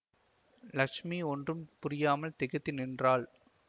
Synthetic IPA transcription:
lɐkʂmiɔndrɯmpʊɾɪjaːmɐlt̪ɛɣɐt̪ːɪnɪndraːl

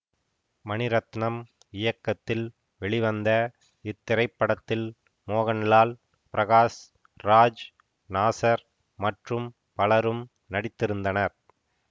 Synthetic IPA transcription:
mɐnɪɾɐt̪nɐm | ɪjɐkːɐt̪ːɪl | ʋɛɭɪʋɐnd̪ɐ | ɪt̪ːɪɾɐɪpːɐɽɐt̪ːɪl | moːɣɐnlaːl | pɪɾɐɣaːs | ɾaːd͡ʒ | naːsɐɾ | mɐʈrɯm | pɐlɐɾɯm | nɐɽɪt̪ːɪɾɯnd̪ɐnɐɾ

